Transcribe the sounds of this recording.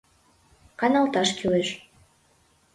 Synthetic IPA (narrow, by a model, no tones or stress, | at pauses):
kɑnɑlˠt̪ɑʃkyleʃ